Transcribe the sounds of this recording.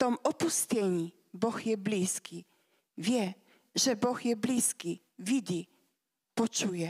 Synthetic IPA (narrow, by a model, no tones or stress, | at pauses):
t̪ɔmɔpust̪ɛɲi | bɔxjɛblʲiskʲi | vʲjɛ | ʐɛbɔxjɛblʲiskʲi | vʲid͡ʑi | pɔt͡ʂujɛ